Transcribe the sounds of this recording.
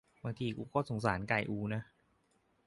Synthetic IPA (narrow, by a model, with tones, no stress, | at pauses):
baː˧ŋt̪ʰiː˧kuː˧kɔː˥˩so˩˦ŋs̬aː˩˦nka˨˩jʔuː˧˩na˦˥